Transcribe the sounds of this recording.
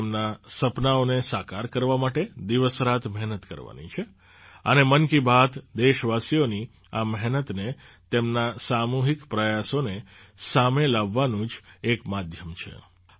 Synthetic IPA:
mnasəpnaonesakaɾkəɾʋamaʈed̪iʋəsɾat̪mɛɦnət̪kə̰ɾʋa̰nḭt͡ʃʰe | ənemənkibat̪d̪eʃʋasijoni | aməɦnət̪net̪emnasamuɦikpɾəjasonesamelaʋːanũd͡ʒekmad̪ʱjəmt͡ʃʰḛ

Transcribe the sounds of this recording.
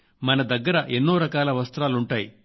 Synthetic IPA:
mɐnɐd̪ɐɡːɐɾɐʔenːoːɾɐkaːlɐʋɐst̪ɾaːluɳʈaːjḭ

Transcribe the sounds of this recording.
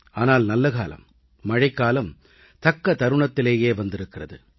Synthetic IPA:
aːnaːlnɐlːɐkaːlɐ̰mː | ɐɻɐɪkːaːlɐm | t̪ɐkːɐt̪ɐɾɯɳɐt̪ːɪleːjeːʋɐnd̪ɪɾɯkːɪrɐðɯ̰

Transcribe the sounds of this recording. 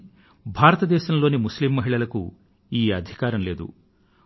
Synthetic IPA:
bʱaːɾɐt̪ɐd̪ɛːʃɐnɐloːnimuslimːɐɦiɭɐlɐkṵ | iːɐd̪ʱikaːɾɐnle̞ːd̪ṵ

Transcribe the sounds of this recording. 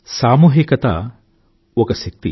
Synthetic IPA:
saːmuːɦikɐt̪a̰ | okɐsɐk̚t̪ḭ

